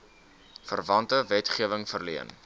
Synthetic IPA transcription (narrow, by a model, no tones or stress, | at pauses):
fərvɐntəvɛtχiəvəŋfərliən